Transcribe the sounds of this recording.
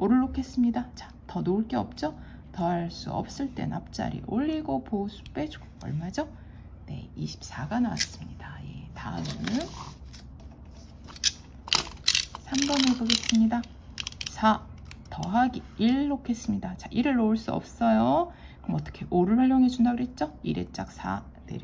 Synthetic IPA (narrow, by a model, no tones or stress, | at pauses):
oɾɯɭːokʰe̞s͈ɯmɲidat͡ɕḁ | tʌnoɭk͈e̞ʌ̰p̚t͡ɕ͈o | tʌɦaɭs͈ṵʌ̰p̚s͈ɯɭt͈e̞̰nap̚t͡ɕ͈a̰ɾḭʔoʎːiɡoposʰu̥p͈e̞d͡ʑu̥ɡo̥ʌ̰ɭmad͡ʑo | ne̞̰iɕʰi̥p̚s͈aɡanowa̰s͈ɯ̥mɲidaje̞̰ta̰ɯn | sʰambʌneboɡe̞s͈ɯmɲida | sʰatʌɦaɡiiɭːokʰe̞s͈ɯmɲidat͡ɕaʔiɾɯɭːouɭs͈uʌ̰p̚s͈ʌjo | kɯɯmʌt͈ʌ̥kʰe̞ʔoɾɯɭwʌɭjoŋed͡ʑundaɡɯɾet̚t͡ɕ͈oḭɾe̞̰t̚t͡ɕ͈ak̚sʰa̰ | dḛɾ